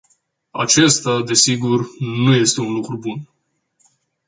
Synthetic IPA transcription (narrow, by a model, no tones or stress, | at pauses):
a̰t͡ʃe̞st̪ad̪e̞siɡurnuje̞st̪e̞unlukɾubun